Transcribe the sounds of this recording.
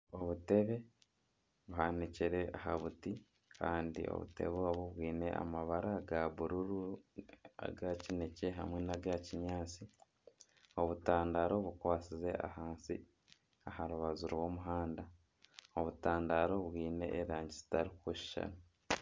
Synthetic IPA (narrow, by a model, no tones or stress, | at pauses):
o̞βute̞βe̞ | βuɦaniciɾe̞aɦaβuti | kʰaːndḭo̰βṵte̞̰βoaβoβwiːne̞ʔa̰maβaɾaɡaβuɾuɾu | a̰ɡacinece̞ɦamwenaɡaciɲaːt͡si | o̞βutaːndaɾo̞βukwaːt͡size̞a̰haːnsi | ahaɾuβazuɾwo̞ːmuɦaːnda | oβutaːndaɾo̞βwiːne̞ʔːɾaːɲɟizi̥taɾikwuʃi̥ʃa̰nu